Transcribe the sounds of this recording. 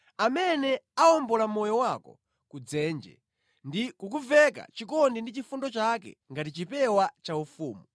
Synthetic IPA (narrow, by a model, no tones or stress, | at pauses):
amɛnɛaɔmbɔlamɔjɔwakɔ̰ | kud͡zɛːnd͡ʒɛ̰ | ndikukuvɛka̰t͡ʃikɔndindit͡ʃifundɔt͡ʃakɛ̰ŋɡatit͡ʃipɛwat͡ʃaufuːmu